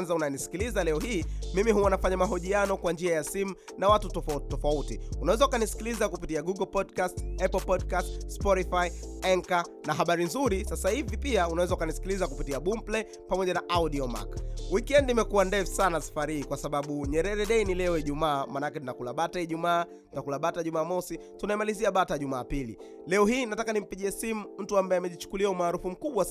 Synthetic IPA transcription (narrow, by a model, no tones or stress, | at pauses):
nzaunajɛnisi̥kilizalɛɔhiːmimiɦuwanafaɲamaɦɔʄianɔkwand͡ʒiajasimu | nawatutɔfatɔfautiunawɛzaukanisi̥kilizakupitiaɡuɡɔlpɔdkastɛpl̩pɔdkastspɔtifaiɛŋkanaɦaɓaɾinzuɾisasahivipiaunawɛzaukanisi̥kilizakupitiaɓum̩plɛ | pamɔʄanaʔauɗiɔma̰kwikiɛndiːmɛkuandɛfu̥sanasḁfaɾihiːkwasaɓaɓuɲɛɾɛɾɛɗɛinilɛɔiʄumaːmaːnaakɛtunakulaɓataiʄumaː | tunakulaɓataʄumaːmɔsitunaɛmaliziaɓataʄumaːpilḭ | lɛɔhiːnatakanim̩piʄiɛsimum̩tuambaɛamɛʄit͡ʃu̥kuliaumaːɾufum̩kuɓwa